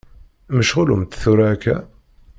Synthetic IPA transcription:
məʃʁʊlumt̪θuɾakʰːæ̰

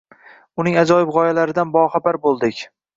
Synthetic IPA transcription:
ʊnɪŋad͡ʒɒjɪbʁɒjalaɾɪd̪anbɒχabaɾbolˠd̪ɪkʲ

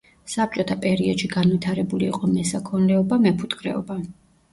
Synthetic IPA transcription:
sap̚t͡ʃʼɔt̪ʰapʼɛɾiɔd̪ʃiɡanvit̪ʰaɾɛbuliːqʼɔmɛsakʰɔnlɛɔbamɛpʰut̪ʼkʰʼɾɛ̰ɔba

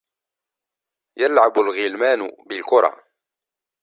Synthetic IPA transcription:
jalʕabʊlɣɪlmaːnʊbɪlkʊɾˤɑ̰ː

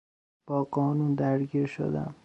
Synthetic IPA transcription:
b̥ɒːɢɒːnund̪æɾɡiːɾʃo̰d̪æ̰m

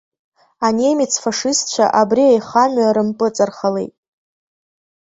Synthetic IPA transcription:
ane̞mit͡sʰfaʂɨst̚t͡ʃʷʰa̰ʔabriajχamaɾɨmpʼɨt͡sʼarχalḛjtʼ

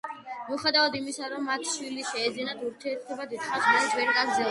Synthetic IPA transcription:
muχɛd̪avad̪imisaɾɔmːat̪ʰʃwiliʃɛːd̪zinat̪ʰuɾt̪ʰiɛɾt̪ʰɔbad̪it̪χasʰmɔlɛsʰvɛɾkʼazɛ

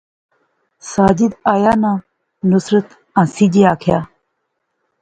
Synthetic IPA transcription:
saːd͡ʑid̪aːjaːnãː | nusɾət̪ | ãsid͡ʑiaːkʰjaː

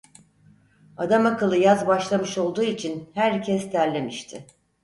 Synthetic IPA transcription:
ad̪amakɯlˠɯjazbaʃlˠamɯʃo̞lˠd̪uːit͡ʃʰinhæɾcʰɛst̪ʰæɾlʲe̞miʃt̪ʰɪ

